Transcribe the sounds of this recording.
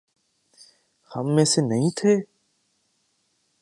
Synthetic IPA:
həmːẽːseːnəɦĩːt̪ʰeː

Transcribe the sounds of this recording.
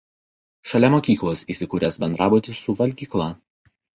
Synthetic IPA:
ʃɐlʲɛmoːkʲiːklˠosiːsʲɪkuːɾʲeːsbʲɛnd̪ɾɑːboːt̪ʲɪsʊʋɐlʲɡʲiːklˠɑˑ

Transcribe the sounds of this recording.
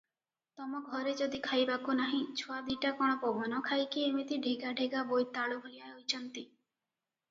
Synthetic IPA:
t̪ɔmɔɡʱɔɾed͡ʒɔd̪ikʰajbakunaɦĩt͡ʃʰuad̪iʈakɔɽ̃ɔpɔbʱɔnɔkʰajkiemit̪iɖʱiɡaɖʱeɡabojt̪aɭubʱolijaojt͡ʃʰɔnt̪i

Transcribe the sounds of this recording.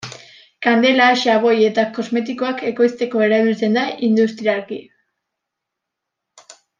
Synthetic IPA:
kand̪e̞laʃaβo̞je̞t̪ako̞zme̞t̪̬iko̞ake̞ko̞jst̪e̞ko̞e̞ɾaβit͡se̞nd̪aʔind̪ust̪ɾiaɾki

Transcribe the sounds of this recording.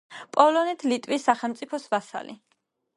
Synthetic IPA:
pʼɔlɔnɛt̪ʰlit̪ʼwisːaχɛlmt̪sʼipʰɔsvasa̰lḭ

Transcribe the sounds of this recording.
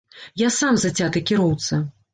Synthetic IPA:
jasamzɐt͡sʲat̪ɨkʲiɾɔwt̪sɐ

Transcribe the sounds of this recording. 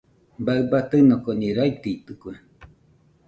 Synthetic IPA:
baɨbat̪ɨnokoniɾait̪iit̪ɨkwe

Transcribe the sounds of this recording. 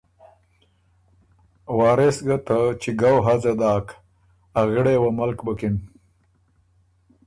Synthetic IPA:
wɑːɾesɡat̪at͡ʃiɡawɦazad̪ɑːk | aɣɪɽewamalkbəkɪn

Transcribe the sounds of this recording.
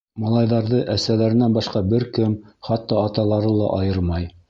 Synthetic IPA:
mɑlˠɑjðɑɾðɤʔæsælæɾɘ̆nænbɑʃqɑbɘɾkɘmχɑt̪ːɑːt̪ɑlˠɑɾɤlˠɑ̰ʔɑjɤɾmɑj

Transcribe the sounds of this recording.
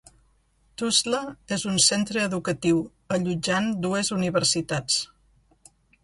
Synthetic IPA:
t̪uzləezunsent̪ɾəːðukət̪iw | əʎud͡ʒand̪uezuniβəɾsit̪at͡s

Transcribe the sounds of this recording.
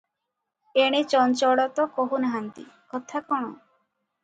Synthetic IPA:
eɽ̃et͡ʃɔnt͡ʃɔɽɔt̪ɔkoɦunaɦant̪ḭkɔt̪ʰakɔɽ̃ɔ̰

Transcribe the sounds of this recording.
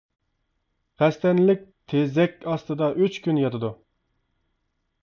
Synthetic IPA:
χɛst̪ɛnlɪk̚ʲt̪ʰezɛkʲɑst̪ɨd̪ɑʔøt͡ʃkʲynjɑt̪ɨd̪u

